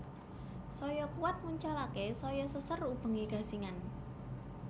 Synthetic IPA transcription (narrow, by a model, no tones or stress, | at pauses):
sɔjɔkuwat̪̚ŋuɲt͡ʃalakesɔjɔsəsərub̥ə̤ŋiɡ̥a̤siŋan